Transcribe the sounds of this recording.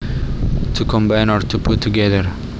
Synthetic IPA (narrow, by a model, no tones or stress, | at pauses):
tʰukʰɔ̃mbãɪ̃nɔɹtʰupʰʊtʰːuɡɛðəɹ